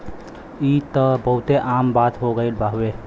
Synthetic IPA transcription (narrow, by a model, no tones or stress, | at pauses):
it̪əbəɦut̪eʔambat̪ɦoɡəɪlbʱaɦbe